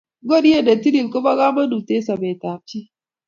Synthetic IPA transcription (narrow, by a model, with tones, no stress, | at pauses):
ɡo˦˨n˦e˦˨da˨ti˦ɾi˨lkə˦ba˦ɣa˦mɐ˦nu˨te˦sa˨be˨ta˨t͡ʃi˦